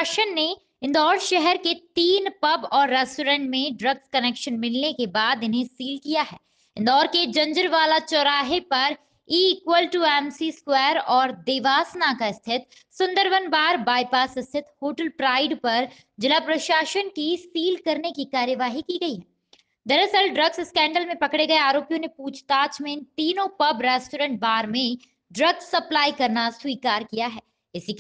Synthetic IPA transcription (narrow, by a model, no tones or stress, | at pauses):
ʃənːe | ɪ̃nd̪ɔːɾʃɛɦɛɾket̪iːnpɐbɔːɾːɛːsʈoːɾɛ̃ːɳʈmẽɖɾɐɡskɐneːkʃənmɪlnekebaːd̪ɪnɦẽsiːlkijaɦɛː | ɪ̃nd̪ɔːɾked͡ʒɐ̃nd͡ʒəɾʋaːlat͡ʃɔɾaːɦepɐɾ | iːkwəlʈuɛːmsiskwɛːɾɔːɾd̪eːʋaːsnakaɪst̪ʰɪt̪ | sʊ̃nd̪əɾʋənbaːɾbaːɪpaːsɪst̪ʰɪt̪hoːʈəlpɾaːɪɖpɐɾ | d͡ʒɪlapɾɐʃaːʃənkisiːlkɐɾnekikaːɾjəʋaːɦikiɡɐiɦɛː | d̪ɐɾɐsəlɖɾɐɡsɪskɛ̃ːɳɖəlmẽpɐkɽeɡɐeaːɾoːpijõnepuːt͡ʃʰt̪aːt͡ʃmẽt̪iːnõpɐbɾɛːsʈoːɾə̃ɳʈ̚baːɾmẽ | ɖɾɐɡsːɐplaːikɐɾnaswiːkaːɾkijaɦɛː | ɪsik